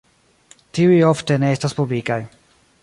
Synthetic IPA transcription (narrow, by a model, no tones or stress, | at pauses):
tiujofte̞neestaspublikaj